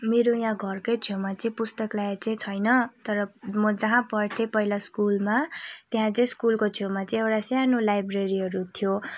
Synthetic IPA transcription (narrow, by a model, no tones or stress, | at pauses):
meɾojãɡʱʌrkojt͡sʰjemat͡sʌĩpust̪ʌklajt͡saĩt͡sʰʌjnʌt̪ʌɾʌmʌd͡zʌɦãpʌrt̪ʰepʌɦilaskulmat̪eɦãt͡sʌĩskulkot͡sʰjomat͡sʌĩewʈasjanolajbreɾiɦʌɾut̪ʰjo